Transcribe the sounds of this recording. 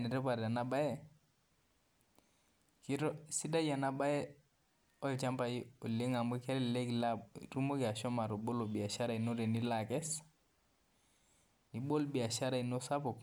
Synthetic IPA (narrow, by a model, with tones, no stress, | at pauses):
nɛ˨ɾɛ˦pa˨ɾa˨na˦ba˦jɛ˦ | ki˦ɾɔ˦si˦da˦ja˨na˦ba˦jɛ˦ | ɔ˦i˨t͡ʃa˦mpa˨i˦o˨le˦ŋa˨mbi˦kɛ˦ɾɛ˦lle˦kla˦ɾu˦mo˦ki˨a˨ʃɔ˦ma˨ɾo˨bo˦lo˨bi˨a˨ʃa˦ɾa˨i˨no˦ɾe˨ni˦la˨kɛ˦s | ni˨ɓo˦lbi˨a˨ʃa˦ɾa˨i˨no˦sa˦po˨k